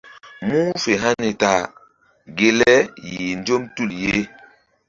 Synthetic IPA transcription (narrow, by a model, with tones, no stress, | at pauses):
mu˦fe˨ɦa˦ni˨ta˨ | ɡe˨lɛ˦ji˨nd͡ʒo˦mtu˦˨lje˦